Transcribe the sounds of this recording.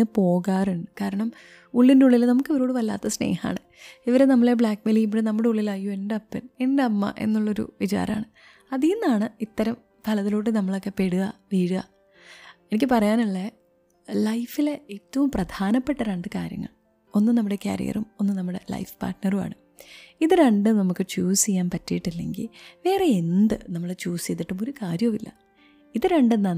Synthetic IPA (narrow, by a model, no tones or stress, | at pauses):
ɨpo̞ːɣaːruɳɖɨkaːɾɐɳɐm | uɭːindeuɭːilnɐmukːioɾoːɽɨʋɐlːa̰ːt̪ːɐsne̞̰ːha̰ːɳɨ | iʋɐɾenɐmːɐɭebɭaːkmeliip̬ːuɽenɐmːuɽe̞uɭːilɐjuendɐpːɐne̞ndeɐmːɐ̰ʔe̞̰nːuɭːɐo̞ɾṵʋit͡ɕa̰ːɾɐma̰ːɳɨ | ɐðiinːaːɳɨit̪ːɐɾɐm | t̪ʰɐlɐðiloːʈːɨnɐmːɐɭo̞kːe̞pe̞ɽuɣɐʋiːɻuɐ̰ | e̞nik̬ʲːɨpɐrɐjaːnɐɭːe | lɐjfileeːtːɐʋumprɐd̪ʱaːnɐpːeʈːɐɾeɳɖɨkaːɾjɐ̰ŋːɐ̰ɭ | o̞nːɨnɐmːuɽe̞kʲja̰ːɾḭjɐ̰rumo̞nːɨnɐmːuɽe̞̰lɐ̰jfpa̰ːrʈnɐruma̰ːɳɨ | iðɨɾeɳɖɨnɐmukːɨt͡ɕuːsijːaːnpɐtːijiʈːilːe̞̰ŋɡḭlʋe̞ːreend̪ɨnɐmːɐɭet͡ɕuːsijt̪ːiʈːumo̞ɾukaːɾjɐmilːɐ̰ | iðɨɾeɳɖenːaːn